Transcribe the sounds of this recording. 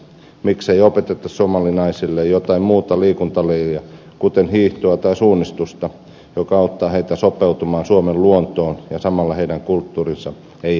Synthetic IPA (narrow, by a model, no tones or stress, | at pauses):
mikseiopet̪et̪ɑssomɑlinɑisilːejjot̪ɑimmuːt̪ɑliːkunt̪ɑlejiæ | kut̪enhiːht̪uɑt̪ɑisuːnːist̪ust̪ɑ | jokɑɑut̪ːɑːheit̪æsopeut̪umɑːnsuomelluont̪oːnjɑsɑmɑlːɑheidæŋkult̪ːuːrinsɑ | ei